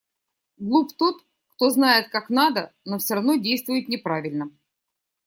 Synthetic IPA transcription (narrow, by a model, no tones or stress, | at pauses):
ɡlˠupt̪ot̪ | kt̪o̞znajɪt̪̚kaknad̪ənofsʲoɾɐvno̞dʲejst̪vʊjɪt̪nʲɪpɾavʲɪlʲnə